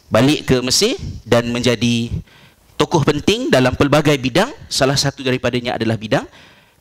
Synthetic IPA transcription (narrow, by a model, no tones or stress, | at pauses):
balɪʔkəməsɪdanmə̃ɲd͡ʒadi | t̪okɔhpənt̪ɪŋdalampəlbaɡajbidaŋsalahsat̪udaɾipadaɲãʔa̰dalahbidaŋ